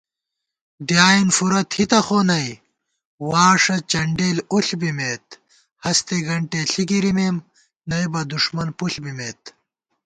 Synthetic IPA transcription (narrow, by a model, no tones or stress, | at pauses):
ɖjaːinfuɾɐt̪hit̪ɐxoːnɐj | waːʂɐt͡ɕɐɳɖeːluɬbimeːt̪ | hɐst̪eɡɐɳʈeɬiɡiɾimeːm | nɐjbɐd̪uʂmɐnpuɬbimeːt̪